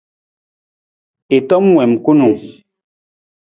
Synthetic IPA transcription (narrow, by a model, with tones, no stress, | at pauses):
e˨tɔ˦mːwɛ˨m˨ku˦nu˨